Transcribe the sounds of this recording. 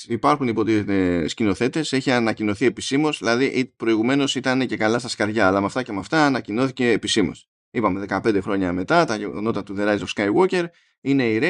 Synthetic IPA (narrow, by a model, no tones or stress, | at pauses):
ipɐɾxunipo̞t̪it̪t̪escino̞θe̞t̪e̞se̞çiɐnɐcino̞θie̞pisimo̞zðilɐðiʔpɾo̞iɣume̞no̞sit̪ɐnece̞kɐlɐst̪ɐskɐɾʝɐːlɐmɐft̪ɐce̞mɐft̪ɐːnɐcino̞θice̞ːpisimo̞̰s | ipɐme̞ðe̞kɐpe̞nd̪exɾo̞ɲɐme̞t̪ɐt̪ɐno̞t̪ɐt̪uðe̞ɾɐizofskɐjɣo̞ce̞ɾ | ine̞iɾe